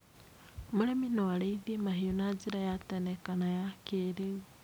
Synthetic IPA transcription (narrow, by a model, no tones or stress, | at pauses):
muɾeminoaleiðimaɦijonaziɾajatanekanajakeɾeɣi